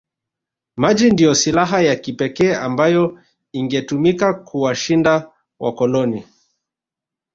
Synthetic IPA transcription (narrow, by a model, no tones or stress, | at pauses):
mad͡ʒindijɔsilaɦajakipɛkɛːambajɔ | iŋɡɛtumikakuwaʃinda | wa̰kɔlɔni